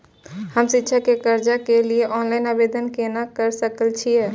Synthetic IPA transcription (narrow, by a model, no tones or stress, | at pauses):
həmsitːʃʰakekəɾd͡ʒakelieʔɔnlainabed̪ənkenakəɾsəkəlt͡ʃʰijɛ